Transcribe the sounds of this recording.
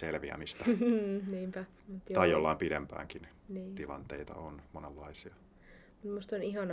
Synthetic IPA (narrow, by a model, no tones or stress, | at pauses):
selʋiæ̰mist̪ɑniːmpæ | mut̪jt̪ɑijolːɑimpidempæ̰ːŋkin | niːt̪ilɑ̰nt̪eit̪ɑ̰onmonelːɑisiɑ | mut̪must̪oniɦɑn